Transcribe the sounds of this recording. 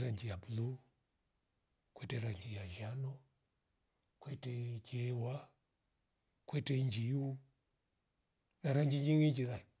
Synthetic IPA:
ɾaɲd͡ʒijabulu | kwɛtɛɾaɲd͡ʒijaʒanɔ | kwɛtɛkɛwa | kwɛtɛɲd͡ʒiu | naɾaɲd͡ʒiɲd͡ʒiŋiɲd͡ʒiɾai

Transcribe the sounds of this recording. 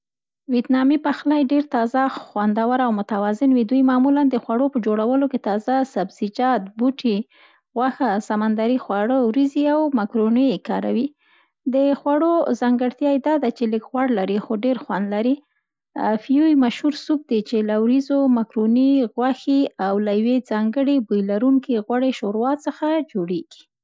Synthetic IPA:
wet̪nɑmipaxlajɖeɾt̪ɑzaxwand̪awaɾawmʊt̪awɑzɪnwid̪ujmɑmuland̪əxwaɽopəd͡ʒoɽawəloket̪ɑzasabz̥id͡ʒɑt̪̚buʈʰi | ɣwaxasamand̪aɾixwaɽəwɾiziawmakɾonəjkɑɾawi | d̪əxwaɽozɑŋɡəɽt̪jɑjed̪ɑd̪at͡ʃeləkɣwaɽlaɾixoɖeɾxwand̪laɾi | fijujmaʃhuɾsuk̚d̪et͡ʃelawɾizomakɾoniɣwaxiawlajwed͡zɑŋɡəɽibujlaɾuŋkiɣwaɽeʃoɾwɑt̪səxad͡ʒoɽeɡ̥i̥

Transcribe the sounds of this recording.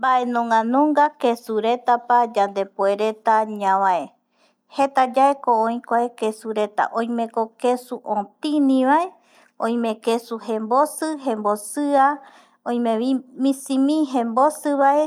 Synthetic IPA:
mbaʔe̞nõŋãnõŋɡakesuɾe̞t̪apad͡ʒand̪e̞poeɾe̞t̪aɲãβae | he̞t̪ad͡ʒaekoõj̃kʷaekesuɾe̞t̪a̰ʔõĩmẽ̞kokesuʔõt̪ĩnĩβae̞ | õj̃mẽkesuhẽmbosɨɦẽmbosɨa | õj̃mẽimĩsĩmĩɦẽmbosɨβaʔe

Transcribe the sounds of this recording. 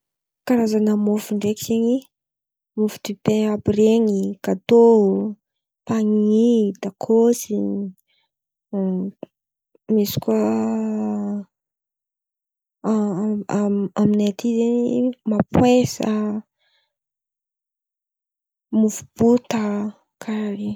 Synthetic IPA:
kaɾazanəmofuɳɖ͡ʐekizeɲi | mufu̥t̪ypeapireɲikat̪o | paŋiid̪akʰosi | misi̥kwa | aminet̪ʰizeɲimapwesə | mufu̥b̥ut̪ə | kʰaɾaɾi

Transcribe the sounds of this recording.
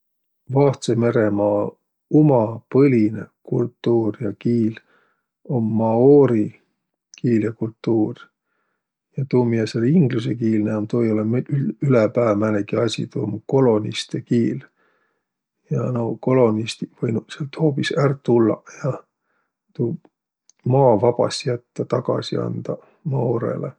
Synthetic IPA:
vɑt̪seme̞ɾemɑː | umɑpɤlʲinekult̪ːuːrjɑkiːl | omːɑoːɾi | kiːljɑkult̪ːuːr | jɑt̪uːmijɑseliŋɡlus̬e̞kiːlneɑmt̪o̞joleylepæːmælekiɑsʲḭt̪uːmko̞lo̞nist̪ekiːl | jɑnoko̞lo̞nist̪ivɤjnuselt̪ho̞ːpisært̪t̪ːulːɑ̰jɑ | t̪uː | mɑːvɑb̥ɑ̰sjæt̪ːɑt̪ɑɡ̥ɑ̰sḭɑ̰nd̪̥ɑ | mɑoɾḛle

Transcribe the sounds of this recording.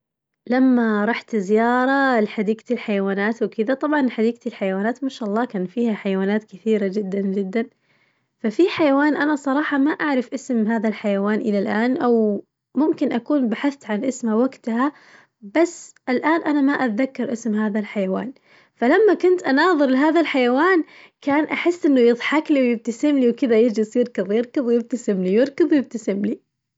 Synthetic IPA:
lamːaɾˤɑħt̪zɪjɑːɾˤɑlħad̪iːɡ̚t̪ɪlħajawaːnaːt̪wɪkɪðat̪ˤɑbʕɑnħad̪iːɡ̚t̪ɪlħajawaːnaːt̪maʃaʔɑlˤːɑːkaːnfiːhaħajawaːnaːt̪kɪθiːɾad͡ʒɪd̪ːand͡ʒɪd̪ːan | fafiħajawaːnʔanasˤɑɾˤɑːħɑmaʔaʕɾˤɪfʔɪsmɦaːðalħajawaːnʔɪlalʔaːnʔaw | mʊmkɪnʔakuːnbaħaθt̪ʕanʔɪsmhawaɡt̪ha | basːʔɪlʔaːnʔanamaʔat̪ðakːɑɾˤʔɪsmhaːðalħajawa̰ːn | falamːakʊnt̪ʔanɑːðˤɨɾlɪɦaːðalħajawaːn | kaːnʔaħɪsːʔɪnːʊjɨðˤħakliwjɪb̚t̪asɪmliwkɪðajɪd͡ʒɪsjɪɾkɨðˤjɨɾˤkɨðˤwjɪb̚t̪asɪmlijɪɾˤkɨðˤjɪb̚t̪asɪmli

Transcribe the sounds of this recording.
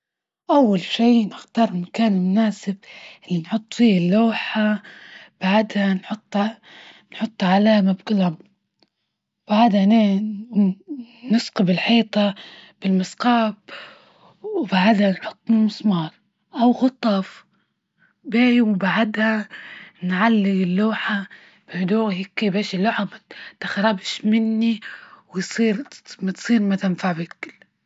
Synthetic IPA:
ʔawːalʃiːnɪxt̪ɑɾˤɪnkaːnlmʊnaːsɪb̚ʔɪlːinħʊt̪ˤːfiːɪlːoːħab̥aʕd̪hanħʊt̪ˤː | nħʊt̪ˤːʕalaːmabkɪlam | b̥aʕd̪haneː | nɪsqɑbɪlħiːt̪ˤɑb̥ɪlmɪsqɑːb | wbaʕad̪hanħʊt̪ˤːnmʊsˤmɑːɾˤ | ʔawɣʊt̪ˤːɑf | beːjwbaʕad̪ha | nʕalːɪɡɪlːuːħa | b̥ɪhd̪uːhikːebeːʃɪlːuːħamat̪axɾˤɑːbɪʃmɪnːiwɪjsˤiːɾmat̪sˤiːɾmat̪ɪnfaʕbɪkɪlː

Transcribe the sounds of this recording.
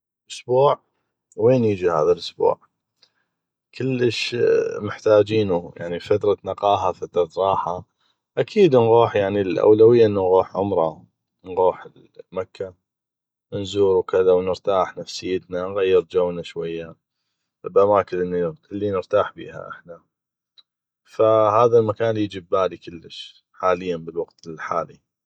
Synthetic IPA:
ʔʊsbuːʕ | weːnjiːd͡ʒihaːðalʔʊsbṵːʕ | kʰəlːəʃmɪħt̪aːd͡ʒiːnuja̰ʕnifat̪ɾˤɑnɑqɑːɦafat̪ɾˤɑt̪ɾˤɑːħa | ʔakʰiːd̪nɣuːħjaʕnilʔa̰wlawɪjːaʔənːunɣuːħʕʊmɾˤɑ | nɣuːħəl | makʰːa | nzuːɾwkɪðawnəɾt̪aːħnafsɪjːət̪nanɣajːɪɾd͡ʒawnaʃwajːa | bʔamaːkənʔɪnːilːinəɾt̪aːħbḭːha̰ʔɪ̰ħna | fahaːðalmakaːnljɪd͡ʒəbːaːlikəlːəʃ | ħaːlɪjːanbəlwaɡt̪ɪlħa̰ːli

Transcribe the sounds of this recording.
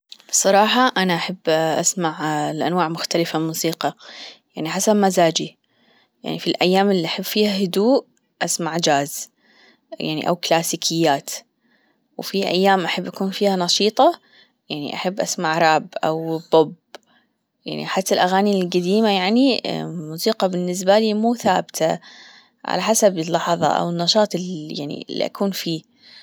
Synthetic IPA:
bsˤɑɾˤɑːħɑʔanaʔaħabːʔasmaʕlʔa̰nwaːʕmʊxt̪alɪfamuːsiːqɑjaʕniħasabmazaːd͡ʒi | ja̰ʕnifilʔajːaːmɪlːiʔaħabːfiːhahʊd̪uːʔ | ʔasmaʕd͡ʒaːz | ja̰ʕnḭʔa̰wklaːsiːkʰɪjːaːt̪ | wfiʔa̰jːaːmʔaħabːʔakuːnfiːhanɑʃiːt̪ˤɑ | jaʕnḭʔaħabːʔa̰smaʕɾˤɑːbʔa̰wb̥ʊb | ja̰ʕnḭħat̪ːalʔaɣaːnilɡad̪iːmajaʕnimuːsiːqɑbɪnːɪs̬baliːmuːθaːbt̪ʰa | ʕa̰laħasabɪlːɑħðˤɑ̰ʔa̰wɪnːɑʃɑːt̪ˤɪja̰ʕnḭɪlːḭʔa̰kuːnfiː

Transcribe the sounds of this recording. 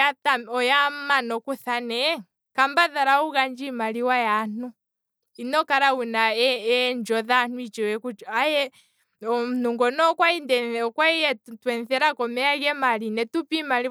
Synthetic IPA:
ataɔjamanɔkuθanɛ | kambaðaɾauɣaɲd͡ʒimaliwajan̥u | inɔkaɾaunaɛɲd͡ʒɔðan̥uit͡ʃiwɛkuajɛ | nuŋɡɔnɔkwaindɛɔkwaijɛtwɛnθɛɾakɔmɛaɣɛmalinɛtupimali

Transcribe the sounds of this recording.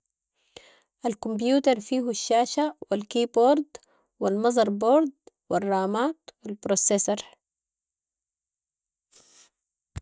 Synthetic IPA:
ʔalkumbjuːt̪ɑɾˤfiːhuʃːaːʃawilkiːboːɾd̪ | wilmɑzˤɑɾˤboːɾd̪ | wirˤːɑːmaːt̪wilbɾosesɑɾˤ

